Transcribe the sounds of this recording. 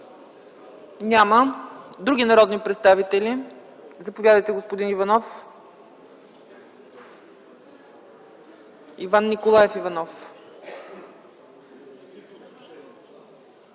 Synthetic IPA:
nʲaməd̪ɾuɡʲinɐɾɔd̪nipɾɛt̪st̪avit̪ɛlʲizɐpovjad̪əjt̪ɛɡospod̪inivɐnɔf | ivanːikolˠajɛfivɐnɔf

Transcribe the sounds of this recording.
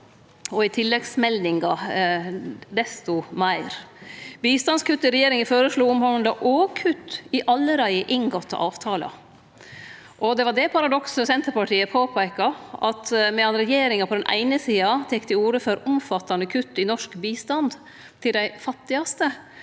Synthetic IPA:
ɔɪt̪ʰɪlːɛɡsmɛld̪ɪŋɡɑ | d̪ɛst̪ʊmæɪɾbiːst̪ɑnskʉt̪ːɪɾɛjeːɾɪŋəfoːɾəʂɭuːʊmhɔʋnd̪ɑʔoːkʰʉt̪ːɪʔɑlːəɾæɪəʔɪŋɡɔt̪ːɑ̰ʔɑːʋt̪ʰɑːlɑ̰ | ʔɔd̪ɛʋɑɖɛpʰɑɾɑd̪ɔksəsɛnt̪əɾpɑʈʰiːəpʰoːpʰæɪkɑʔɑt̪mɛɑnɾɛjeːɾɪŋɑpʰɔd̪ɛnʔæ̰ɪnəsiːɑt̪ʰɛkːd̪ɪuːɾəfɔɾʊmfɑt̪ːɑnəkʰʉt̪ːɪnɔʂkbiːst̪ɑnd̪ | t̪ʰɪld̪æɪfɑt̪ːɪɑst̪ə

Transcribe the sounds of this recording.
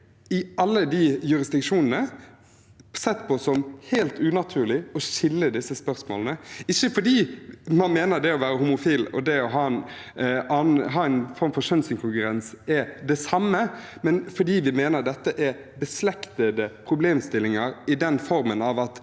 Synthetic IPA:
ɪʔɑlːəd̪ijʉɾɪsd̪ɪkʂuːnənə | sɛt̪ːpʰɔsɔmheːlt̪ʉnɑt̪ʰʉːɾɭɪɔɕɪlːəd̪ɪsːəspœɾsmo̰ːlənəɪçːəfɔɖiːmɑnmeːnəɾd̪ɛɔʋæːɾəhʊmʊfiːlɔ̰d̪ɛɔɦɑːɛn | ɑːnɦɑːɛɪnfɔɾmfɔɾʃœnsɪŋkʰʊŋkʉɾɛnsɛd̪ɛsɑmːəmɛnfɔɖiːʋɪmeːnəɾd̪ɛt̪ːəʔɛ | bəslɛkt̪əd̪əpʰɾʊbleːmst̪ɪlːɪŋəɾɪd̪ɛnfɔɾmənɑʋɑt̪

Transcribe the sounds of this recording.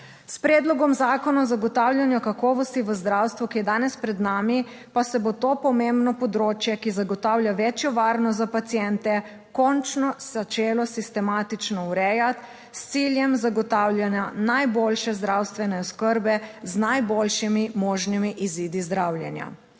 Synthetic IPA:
spɾɛːd̪lɔɡɔmzaːkɔnazaɡɔt̪awljanjɔkakɔːʋɔst̪iʋəzd̪ɾawst̪ʋukijɛd̪aːnɛspɾɛd̪naːmi | pasɛbot̪oːpɔmembnɔpɔd̪ɾoːt͡ʃjɛkizaɡɔt̪awljaʋɛt͡ʃjɔʋaːɾnɔt̪zapat̪sijɛnt̪ɛ | kɔnt͡ʃnɔz̥at͡ʃeːlɔsist̪ɛmaːt̪it͡ʃnɔwɾɛjat̪ | st̪siljɛmzaɡɔt̪aːwljanjanajbolʃɛzd̪ɾawst̪ʋɛnɛɔskəɾbɛznajbolʃimimɔːʒnimiʔiziːd̪izd̪ɾawljɛnja̰

